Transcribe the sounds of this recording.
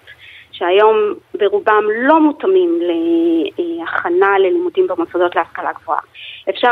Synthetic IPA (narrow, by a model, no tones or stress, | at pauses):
ʃeajo̞mbe̞ʁubamlo̞mutamimle̞ | aχanale̞limudimbemosado̞tleaskalaɡvoa̰efʃa